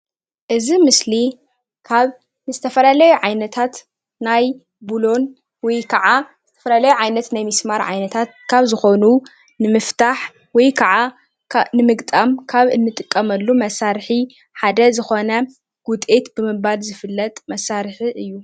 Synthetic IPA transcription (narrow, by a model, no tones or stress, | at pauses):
ʔɨzimɨsli | kʰaβ | nɨzɨt̪ʰɐfɐlalɐjuʕajnɐt̪ʰat̪ | naj | bulo̞n | wɔjkʰɐʕa | zɨt̪ʰɐ̥fɐlalɐjuʕajnɐt̪najmismaɾʕa̰jnɐt̪ʰat̪̚kʰaβzɨxonu | nɨmɨft̪ʰaħ | wɔjkʰaʕa | nɨmɨɡt̪ʼamkʰaβɨnːɨt̪ʼɨkʼːɐmɐlːumɐsːaɾħi | ħad̪ɐzɨxo̞nɐ | ɡ̥ut̪ʼet̪bɨmɨalzɨfɨlːɐt̪ʼmɐsːaɾħiʔɨjːu